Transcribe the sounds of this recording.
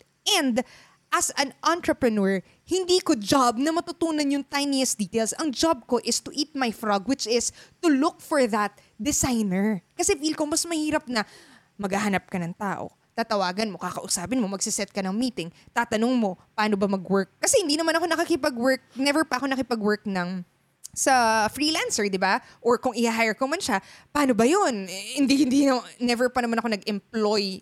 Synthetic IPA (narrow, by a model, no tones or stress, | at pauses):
ʔɛ̃nd̪ | ʔɐsɐ̃nʔant̪ɾɐpɹɛnuɹ | hɪnd̪iːkod͡ʒab̚nɐmɐt̪ʊt̪uːnɐnjʊŋt̪ajnɛsd̪iːt̪elsʔɐŋd͡ʒab̚ko̞ʔɪst̪ʊʔit̪̚majfɹaɡwɪt͡ʃɪst̪ʊlʊk̚fɔɹðɐt̪̚ | d̪ɪsajnɛɹkɐsɛfiːlkomɐsmɐhiːɾɐp̚nɐ | mɐɡaɦɐnap̚kɐnɐŋt̪aːʔo̰ | t̪aːt̪ɐwaːɡɐnmo̞kakɐʔʊsaːpɪnmo̞mɐɡsɪsɛt̪̚kɐnɐŋmiːt̪ɪŋt̪aːt̪ɐnoŋmo̞pɐaːno̞bɐmɐɡwɛɹk̚ːɐsɛhɪnd̪inɐmanɐko̞nɐkɐkɪpɐɡwɛɹk̚nɛvɛɹpɐʔɐko̞nɐkɪpɐɡwɛɹk̚nɐŋ | sɐfɹiːlansɛɹd̪ɪba | ʔoɹkʊŋʔɪhaɦajɛɹkomɐnʃapɐʔaːno̞bɐjonhɪnd̪ihɪnd̪inɛvɛɹpɐnɐmanɐkonɐɡɛmploj